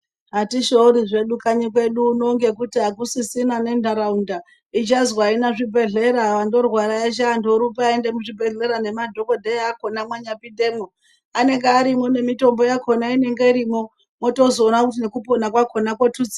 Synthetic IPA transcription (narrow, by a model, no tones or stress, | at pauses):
ɦatiʃouɾiʐe̞ɗukaɲikwe̞ɗuːno̞ŋɡe̞kutiɦakusisinane̞ndʱaɾaunda | it͡ʃazwainaʐibʱe̞ɮe̞ɾaʋando̞rwaɾajet͡ʃ̬aːndoɾupaaende̞muʐibʱe̞ɮe̞ɾane̞madʱo̞ko̞dʱejako̞namwaɲapide̞ːmo | ane̞ŋɡeaɾimo̞ne̞mito̞mbo̞jakʰo̞naine̞ŋɡe̞iɾimo̞ | mo̞to̞zo̞ːnakut̬inekupo̞nakwakʰo̞nakwotut͡si